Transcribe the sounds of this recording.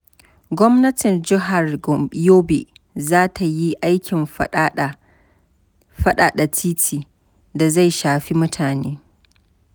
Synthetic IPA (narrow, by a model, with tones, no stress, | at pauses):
ɡʷɔ˦mnɐ˦tɪ˨nd͡ʒɪ˦ɦa˨rɡɔ˨m˦joː˦bi˨ʔ | zaː˦tʰa˨ji˦ʔa˦jkʲɪ˨m | ɸɐ˦ɗaː˨ɗa˨tʰiː˦tʰiː˨ | da˨za˦˨jʃaː˨ɸi˦mʊ˦tʰaː˨neː˦